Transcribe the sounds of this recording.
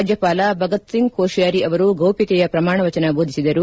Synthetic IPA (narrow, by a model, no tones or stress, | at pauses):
d͡ʒjɐpaːlɐbʱɐɡɐt̪siŋɡkoːʃjaːɾiʔɐʋɐɾuɡɐwpikɛjɐpɾɐmaːɳɐʋɐt͡ʃɐnɐbʱoːd̪isid̪ɐɾu